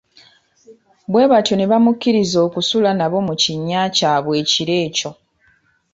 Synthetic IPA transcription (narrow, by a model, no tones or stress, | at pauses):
βwe̞ːβatjo̞neβamukːiɾizo̞ːkusulanaβo̞muciɲːaːcaːβwe̞ːciɾe̞ːco̞